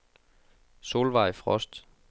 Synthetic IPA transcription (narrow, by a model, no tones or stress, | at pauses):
so̝ːlʋɑ̈ɪ̰fʁɒ̽sd̥